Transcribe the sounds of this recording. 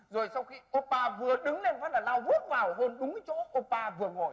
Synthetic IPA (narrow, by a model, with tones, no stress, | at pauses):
zo˨˩jsa˧wxi˧ʔo˧paː˧vɨ˨˩əɗɨ˨˦ŋle˧nvaː˨˦˥laː˨˩laː˧wvu˦˥ət̚vaː˨˩wɦo˧nɗʊ˨˦ŋ͡mt͡ɕo̰˧˥ʔo˧paː˧vɨ˨˩əŋo˨˩j